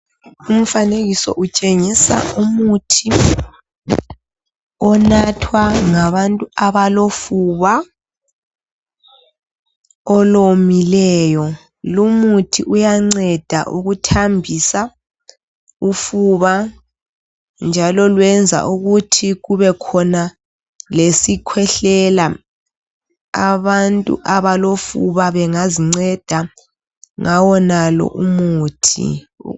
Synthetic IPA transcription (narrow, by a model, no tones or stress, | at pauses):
um̩faneɣisɔ̰ʔut͡ʃʼeŋisa̰umutʰi | ɔnatʰwaŋaβantʼuaβalofuβa | ɔlomilɛːjɔ | lumutʰiʔujaŋ͡ǀɛd̥ʱa̰ʔṵɣutʰambʱisa | ufuβa | nd͡ʒʱalɔlwɛnd͡zʱa̰ʔuɣutʰiɣuβɛkʰɔna | lesikʰwɛɬɛla | aβantʼṵʔaβalofuβaβɛŋaziŋ͡ǀɛd̥ʱa | ŋʔawɔnalɔ̰ʔumuːtʰḭ